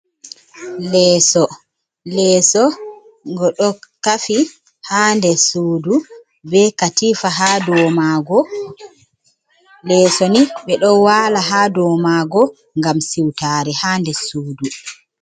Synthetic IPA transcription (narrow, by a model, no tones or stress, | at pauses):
lɛːsɔ | lɛːsɔ | ŋɡɔɗɔkafi | haːndɛsuːdu | bɛkatifaɦadɔmaɡɔ | lɛːsɔniɓɛɗɔwalaɦaːdɔmaɡɔ | ŋɡamsiwtaːɾɛhaːndɛsuːdu